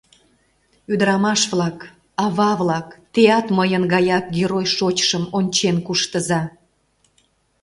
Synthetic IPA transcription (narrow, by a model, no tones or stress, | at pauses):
yd̪əɾɑmɑʃβlɑk | ɑβɑβlɑkt̪eɑt̪məjənɣɑjɑk̚ɡʲeɾojʃot͡ɕʃəmonʲt͡ɕenkuʃt̪əzɑ